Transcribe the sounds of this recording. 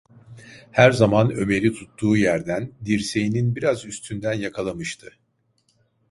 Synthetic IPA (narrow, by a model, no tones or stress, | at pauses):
hæɾzamanø̞me̞ɾit̪ʰut̪ːuːjæɾd̪ænd̪iɾse̞jininbiɾazyst̪ʰynd̪ænjakʰalˠamɯʃt̪ʰɯ